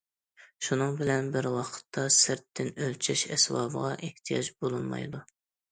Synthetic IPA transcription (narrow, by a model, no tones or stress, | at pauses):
ʃunɨŋbɪlɛnbɪɾwɑqʰə̥t̪ʰːɑsɪɾt̪ʰːɪnølt͡ʃʰɛʃɛswɑ̰ːbʁɑʔeht̪ʰijɑd͡ʒbolˠunˠmɑ̰jd̪u